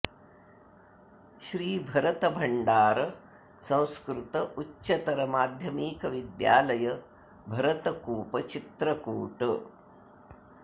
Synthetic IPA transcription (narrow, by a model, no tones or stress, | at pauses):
ʃɾiːbʱɐɾɐt̪ɐbʱɐɳɖaːɾɐ | sɐ̃w̃skɾɪt̪ɐʔutːʃɐt̪ɐɾɐmaːd̪ʱjɐmiːkɐʋid̪ja̰ːlɐjɐ | bʱɐɾɐt̪ɐkuːpɐt͡ʃit̪ɾɐkuːʈɐ